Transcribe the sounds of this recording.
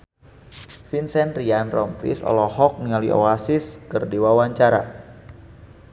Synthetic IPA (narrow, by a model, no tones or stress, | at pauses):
finsɛnrianrɔmpɾḭsɔ̰lɔhɔk̚nialiʔo̰asiskɨrdiwawaɲt͡ʃaɾa